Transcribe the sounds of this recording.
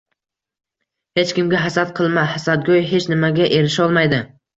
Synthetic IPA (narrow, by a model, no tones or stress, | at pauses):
he̞t͡ʃkʲɪmɡʲaɦasat̪̚qʰɨlˠmahasad̪̚ɡʲojɦe̞t͡ʃnɪmaɡʲaʔe̞ɾɪʃɒlˠmajd̪ɪ